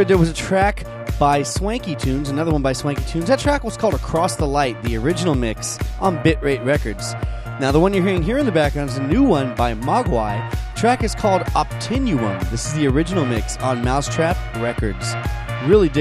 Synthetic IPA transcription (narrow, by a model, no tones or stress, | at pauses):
d̪̚ðə˞wʌzɨtʰɹ̥æk | b̥aɪswæ̃ŋkitʰʉ̃nzənʌðə˞wʌ̃nbaɪswæ̃ŋkitʰʉ̃nzɨtʰɹ̥ækwʌz̥kʰɔlˠdəkʰɹ̥ɔsðəlaɪt̪̚ðiə˞ɪd͡ʒɨnl̩ˠmɪksʔn̩bɪʔ̚ɹeɪʔ̚ɹɛkə˞dz̥ | naʊðəwʌ̃njə˞ɦiɹɪ̃ŋɦiɹɨ̃nðɨbæk̚ɹãʊ̃nzɨnʉwʌ̃nbaɪmɑɡwaɪtʰɹ̥ækɨz̥kʰɔlˠdɑp̚tʰɪ̃njʉwʌ̰̃nðɪsɨzðiə˞ɪd͡ʒɨnl̩ˠmɪksn̩maʊstʰɹ̥æp̚ɹɛkə˞dz̥ɹɪlˠid